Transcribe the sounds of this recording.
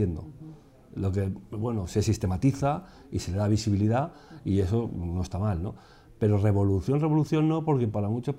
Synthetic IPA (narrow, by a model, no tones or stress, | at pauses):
end̪o̰ | lo̞ke̞bwe̞nose̞sist̪e̞mat̪iθa | ise̞le̞ðaβ̞isiβilið̞aie̞so̞no̞est̪amalno̞̰ | pe̞ɾore̞βo̞luθjo̞nre̞β̞o̞luθjo̞nːo̞po̞ɾke̞paɾamut͡ʃo